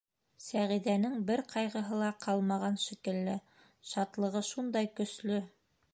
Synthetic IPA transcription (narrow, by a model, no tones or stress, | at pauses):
sæʁiðænɘŋbɘɾqɑjʁɤ̆ɦɤlˠɑqʰɑlˠmɑʁɑnʃĭkɘ̆lːɘ | ʃɑt̪lˠɤ̆ʁɤʃund̪ɑjkɵ̆slɵ